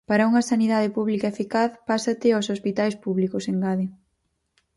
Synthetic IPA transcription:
paɾɐuŋɐsaniðað̞ɪpuβlikaefikaθpasɐt̪ɪosospit̪ajspuβlikoseŋɡaðɪ

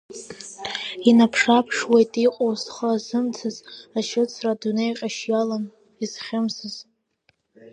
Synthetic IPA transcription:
inapʰʂapʰʂwejtʼiqʼowsχəazɨmt͡sʰɨzaʃɪt͡sʰradunejqʲʼaʃjalan | iz̥χʲɪmsɨz̥

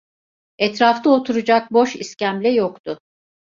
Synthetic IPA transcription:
ɛt̪ɾaft̪aot̪ʰuɾud͡ʒak̚bo̞ʃiscæmlʲɛjokt̪ʰʊ

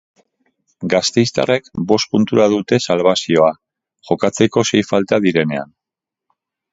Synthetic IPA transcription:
ɡast̪e̞jst̪a̰re̞kbo̞st̪̚punt̪uɾaðut̪e̞salβasio̞a | ʝo̞kat͡se̞ko̞se̞jfalt̪aðiɾe̞ne̞a̰n

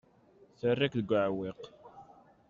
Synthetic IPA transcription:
θərːakðəɡʷːəʕweq

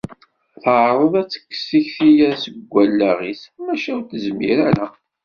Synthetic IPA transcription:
θəʕɾˤəðæt͡sːə̥kːsiçθijæsəɡʷːælːæʁismæʃæwt̪əzmiɾæɾa

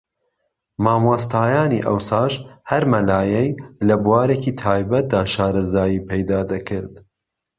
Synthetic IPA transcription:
maːmwoːst̪ʰaːjaːnḭʔɐwsaːʒhɐɾmɐlaːjɛjlɐbuwaːɾeciːt̪ʰaːjbɐt̪̚d̪aːʃaːɾɐzaːjiːpʰɛjd̪aːd̪ɐkʰɨɾd̪

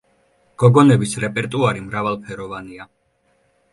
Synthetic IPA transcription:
ɡ̥ɔɡɔnɛbisɾɛpʼɛɾt̪ʼuaɾimɾavalˠpʰɛɾɔvania

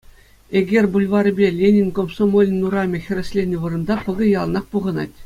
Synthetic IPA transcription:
eɡʲerʲbulʲʋɑɾɘ̆bʲelʲenʲinʲkomsomolʲnnuɾɑmʲĕxʲɘ̆rʲɘ̆sʲlʲenʲɘʋɯ̆ɾɤ̆nd̪ɑpɤ̆ɡʲɤ̆jɑl̆ˠnɑχpuʁɤ̆nɑ̰tʲ

